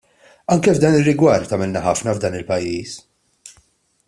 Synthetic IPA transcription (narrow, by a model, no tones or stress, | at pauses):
ɐŋkɛvd̪ɐːnɪrːɪɡwɐɾt̪ːɐmɪlnɐħɐfnɐvd̪ɐːnɪlpɐjːiːs